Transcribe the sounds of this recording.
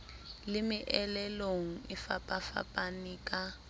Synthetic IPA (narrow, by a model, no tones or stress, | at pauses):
lɪmɪʔɛlɛloŋ̩ɪfapʼafa̰pʼaniːkʼa